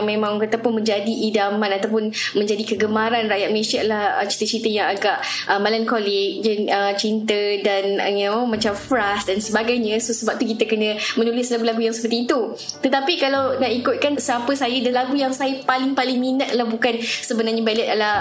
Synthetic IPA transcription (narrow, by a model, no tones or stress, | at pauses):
ŋmẽmãŋkat̪apʊnmə̃ɲd͡ʒadiʔidamãnat̪awp̬ʊnmə̃ɲd͡ʒadikəɡəmaɾanrajat̪̚məlesalahət͡ʃi̥t̪ət͡ʃint̪əjaŋaɡaʔʔəmalankolɪk̚d͡ʒanət͡ʃint̪ədan̰ŋamãt͡ʃamfɾasdansəbaɡajɲə̃sosəbap̚t̪ukit̪əkənə̃mənulɪslaɡulaɡujaŋsə̥pərt̪iːt̪u | t̪ət̪apikalawnaikʊt̪̚kansəapəsajədalaɡujaŋsajəpalɪŋpalɪŋminat̪̚lahbukansəbənarɲabalət̪̚ala